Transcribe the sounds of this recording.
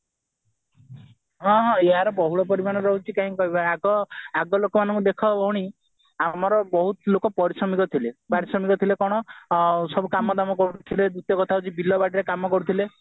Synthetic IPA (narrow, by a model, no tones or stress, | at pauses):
ɦɔ̃ɦɔ̃eɦaɾɔbɔɦuɭɔpɔɾimañɔɾɔɦut͡ʃʰikaĩkɔɦibaaɡɔaɡɔlokɔmanɔ̃ŋkud̪ekʰɔbʱɔɽ̃i | amɔɾɔbɔɦut̪lokɔpɔɾisɔmikɔt̪ʰilepaɾisɔmikɔt̪ʰilekɔɽ̃ɔsɔbukamɔd̪amɔkɔɽut̪ʰiled̪ut̪jɔkɔt̪ʰaɦut͡ʃʰibilːɔbaɖiɾekamɔkɔɽut̪ʰile